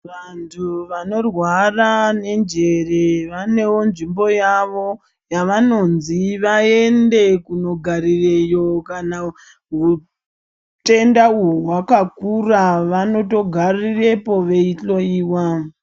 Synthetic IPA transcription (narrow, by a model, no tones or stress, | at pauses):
ʋantʰuʋano̞rwarane̞nd͡ʒe̞reʋane̞wo̞nʐimbo̞jaʋo̞ | jaʋano̞nziʋae̞nde̞kuno̞ɡʱarirejo̞kana | ɦu | te̞ndauwakakuraʋano̞to̞ɡʱarire̞po̞ʋe̞it͡ɬo̞iːwa